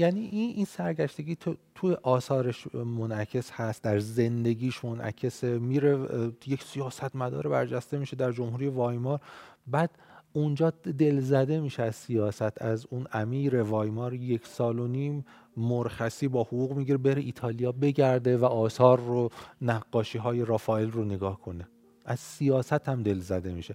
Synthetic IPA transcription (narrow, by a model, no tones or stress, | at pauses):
jæːniʔininsæɾɡæʃt̪e̞ɡiːt̪ʰt̪ʰujeʔɒːsɒːɾeʃmonæcʰe̞shæst̪̚d̪æɾze̞nd̪e̞ɡiːʃmonʔæ̰cʰe̞semiːɾejecʰsijɒːsæt̪mæd̪ɒ̰ːɾebæɾd͡ʒæst̪e̞miːʃed̪æɾd͡ʒomhuːɾijevɒːjmɒːɾbæːd̪und͡ʒɒːd̪e̞lzæd̪e̞miːʃeæz̥sijɒːsæt̪ʰæzunʔæmiːɾe̞vɒːjmɒːɾje̞cʰsɒːlo̞niːmː | oɾxæsiːbɒːhoɣuːɣmiːɟiɾebe̞ɾeʔiːt̪ʰɒːlijɒːbe̞ɟæɾd̪e̞væʔɒːsɒːɾːonæɡːɒːʃiːɦɒːje̞ɾɒfɒːelroneɡɒːhkʰo̞ne̞ | ʔæz̥sijɒːsæt̪ʰhæmd̪e̞lzæd̪e̞miːʃe̞